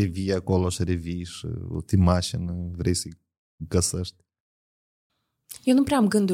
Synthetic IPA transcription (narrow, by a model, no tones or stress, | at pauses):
eviɐkɔloʃɐɾeviʃt̪imaʃinɐvɾejsi | ɡɐsɐʃt̪ | ewnɐ̃pɾamɡɐ̃nd̪